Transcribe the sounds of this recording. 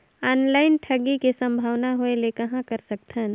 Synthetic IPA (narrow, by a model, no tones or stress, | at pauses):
aːnlaːɪnʈʰɐɡikisɐ̃mbʱaːʋnaɦuelekɐɦãkɐɾsɐk̚t̪ʰən